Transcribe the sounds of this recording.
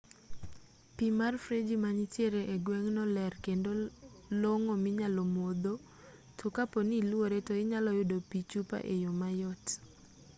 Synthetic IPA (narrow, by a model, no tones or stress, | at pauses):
pimarfɾed͡ʒimaɲitjeɾeʔeɡwɛŋnɔlɛrkendoloŋomɪɲalomod̪o | tʰokaponilwoɾetoɪɲalɔjʊdopit͡ʃupa̰ʔejomajɔt